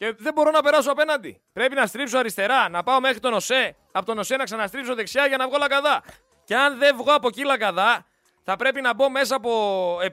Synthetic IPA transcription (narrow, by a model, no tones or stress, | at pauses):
ce̞ðe̞bo̞ɾo̞nɐpe̞ɾɐso̞ɐpe̞nɐnd̪ḭ | pɾe̞pinɐst̪ɾipsoɐɾist̪e̞ɾɐnɐpɐo̞me̞xɾit̪o̞no̞se̞ | ɐpot̪o̞no̞se̞nɐksɐnɐst̪ɾipso̞ðe̞ksɐʝɐnɐvɣo̞lɐkɐðɐ | ceɐnðe̞vɣo̞ɐpo̞cilɐkɐðɐ | θɐpɾe̞pinɐbo̞me̞sɐːpo̞e